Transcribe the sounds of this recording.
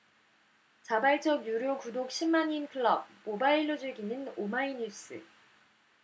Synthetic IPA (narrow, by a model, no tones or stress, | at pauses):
t͡ɕabaiɭt͡ɕ͈ʌɡjuɾjokudok̚ɕ͈ʰimːaɲinkʰɯɭʌb̚ːobaiɭːod͡ʑeɡinɯnomaiɲus͈ʰɯ̰